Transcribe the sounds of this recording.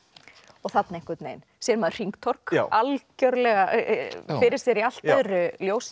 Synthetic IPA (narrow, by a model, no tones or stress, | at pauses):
ɔɣθat̪naeŋkvɪɾt̪nḛːjn | sjɛnmɛðr̥iŋkt̪ʰɔɾ̥kalcœɾlɛɣafɪɾɪɾ̥sjɛɾial̥t̪ɛðɾʏljoːws